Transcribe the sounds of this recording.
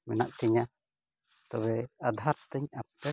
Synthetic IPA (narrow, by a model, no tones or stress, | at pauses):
mɛna̰ʔt̪ɛɲa | t̪ɔβɛad̪ʱaɾt̪əɲapːɛ